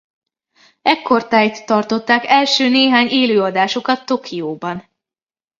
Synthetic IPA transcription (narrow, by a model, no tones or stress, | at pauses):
ɛkʰːo̞rt̪aːjt̪ːɒrt̪o̞t̪ːaːkɛlʃøːneːɦaːɲeːløːɒd̪aːʃokɒt̪ːo̞kʰioːbɒn